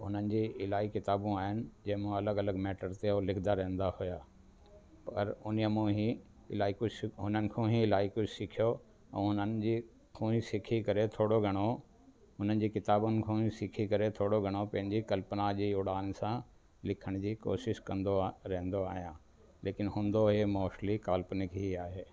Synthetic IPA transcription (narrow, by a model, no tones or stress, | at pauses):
ɦʊnənɪ̆d͡ʑiːɪlaːikɪt̪aːbũaːɦɪnɪ̆d͡ʑɐ̃ːɦɪ̃mũɐləɡɐləɡmɛːʈəɾt̪eɦolɪkʰd̪aɾɛ̃ɦɪ̃n̆d̪ahʊjaː | pɐɾʊniəmũɦĩ | ɪlaːikʊɦʊnənɪ̆kʰõɦĩɪlaːikʊd͡ʑʱsɪkʰijo | ɛ̰̃ːɦʊnənɪ̆d͡ʑiː | hʰũːĩsɪkʰikɐɾet̪ʰoːɽoɡʱɐɽ̃o | ɦʊn̤ənɪ̆d͡ʑiːkɪt̪aːbʊnɪ̆kʰõːɦĩsɪkʰikɐɾet̪ʰoːɽoɡʱɐɽ̃opɐ̃ɦɪ̃ɲd͡ʑikɐlpənad͡ʑiːʊɽaːnsã | lɪkʰəɽ̃d͡ʑiːko̰ːʃɪʃkɐ̃nd̪oɾɛɦnd̪oaːɦijãː | leːkɪnɦũːnd̪oɦemɔːʃlikaːlpnɪkɦiaːɦeː